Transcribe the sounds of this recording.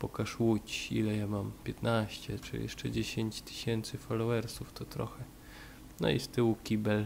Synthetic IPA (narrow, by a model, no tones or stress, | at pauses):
pɔkaʂwut͡ɕḭlɛjamampʲjɛt̪naɕt͡ɕɛt͡ʂɨ̰jjɛ̰ʂt͡ʂɛd͡ʑeɕeɲt͡ɕt̪ɘ̥ɕɛnt̪sɘfɔlɔwɛɾsuft̪ɔt̪ɾɔ̰xɛ | nɔ̰ḭst̪ɘwukʲibɛl